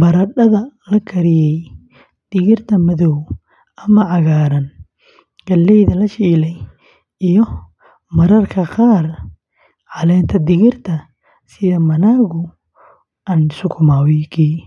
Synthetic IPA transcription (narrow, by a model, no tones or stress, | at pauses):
bɐɾɐɖɐðɐlɐkʰɐɾɪjɛj | d̪̥ɪɣɪrt̪ʰɐmɐðɔw | ʔɐmɐʕɑɣaːɾɐn | ɡ̥ɐlːɛjðɐlɐʃiːlɛj | ijɔ | mɐɾɐrkʰɐqɑːr | ʕɑlɛːnt̪ʰɐd̪ɪɣɪrt̪ʰɐ | sɪðɐmɐnaːɣʊ | ɐnsʊkʰʊmawikʰiː